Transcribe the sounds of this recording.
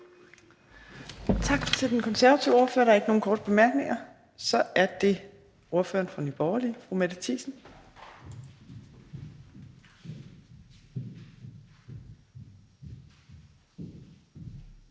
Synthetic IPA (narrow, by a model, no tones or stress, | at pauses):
t͡sʰɑ̈ɡ̥t͡sʰe̝ld̥enkʰɒ̽nsæɐʋæt͡sʰiʊ̰o̝ɐfø̰ɐɾ̥ɑeɡəno̝ːn̩kʰɒ̰ːd̥əb̥e̝mæɐɡ̥ne̝ŋɐ | sɒ̽æɐd̥e̝ | o̝ɐfø̰ːɐnfʁɑnyb̥ɒʊɐlifʁumæd̥ət͡sʰḭːsn̩